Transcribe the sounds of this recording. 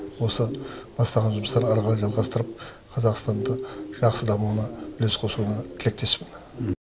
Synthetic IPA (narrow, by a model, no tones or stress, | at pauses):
wo̞səb̥ɑst̪ɑʁɑnʒʊməst̪ɑɾɑɾʁɑɾʒɑlˠʁɑst̪əɾəp̚ | qʰɑzɑqst̪ɑnd̪əʒ̥ɑqsəd̪ɑmuwənɑbʏle̞sqʰo̞sunɑt̪ʰɪle̞k̚t̪ʰe̞spɪn